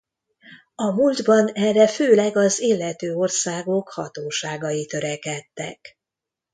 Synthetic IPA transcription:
ɒmuld̪bɒnɛrːɛføːlɛɡɒzeːlːɛt̪øːo̞rsaːɡo̞khɒ̰t̪oːʃaːɡɒjit̪ø̞ɾɛkɛt̪ːɛ̰k

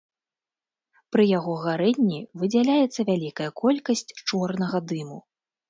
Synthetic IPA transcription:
pɾɨjaɣɔɣaɾɛnʲːivɨd͡zʲalʲajɛt̪sːɐvʲalʲikɐjɐkɔlʲkɐsʲt͡sʲt͡ʂɔrnɐɣɐd̪ɨmu

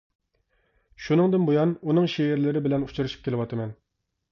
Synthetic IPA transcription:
ʃunɨŋd̪ɨnbojɑnunɨŋʃeɪɾlɪɾɪbɪlɛnut͡ʃʰuɾɨʃi̥p̚kʲʰelɪwɑt̪ʰɨmɛn

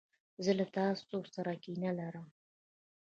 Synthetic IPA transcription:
zəlat̪ɑːst͡sosaɾakinalaɾəm

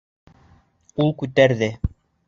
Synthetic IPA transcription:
ulˠkʉt̪æɾðɘ

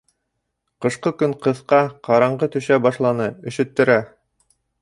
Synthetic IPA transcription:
qɤ̆ʃqɤkɵŋqɤ̆θqɑqɑɾɑɴʁɤt̪ɵ̆ʃæbɑʃlˠɑnɤɵ̆ʃɵ̆t̪ːɘ̆ɾæ

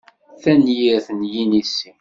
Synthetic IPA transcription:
θænjiɾθənjinisːi

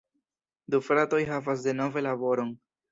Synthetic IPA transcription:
d̪ufɾato̞jɦavas̬de̞no̞ve̞labo̞ɾo̞n

